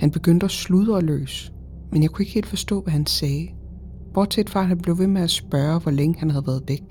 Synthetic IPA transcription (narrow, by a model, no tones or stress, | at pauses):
hænb̥e̝ɡ̥øn̰d̥əæsluðˠəɒlø̰ːsə̥ | menjäɪkʰue̝ɡ̥he̝̰ːld̥fɒ̽sd̥ɔ̰̽ːʋæhænsɛː | b̥ɒːd̥t͡sʰed̥fɑ̥̈hænb̥le̝ʊʋe̝meæsb̥ɶːɐʋɒleŋəhænhæðˠʋæːɐðˠd̥eɡ̥̚